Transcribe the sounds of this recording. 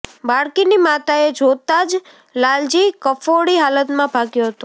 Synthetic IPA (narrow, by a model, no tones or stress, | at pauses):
baɽkinimat̪aed͡ʒot̪ad͡ʒ | lald͡ʒikəfoɽiɦalət̪mãbʱaɡjoɦət̪õ